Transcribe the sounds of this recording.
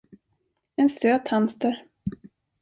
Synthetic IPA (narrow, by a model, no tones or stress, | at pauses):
ɛnsøːt̪hamst̪əɾ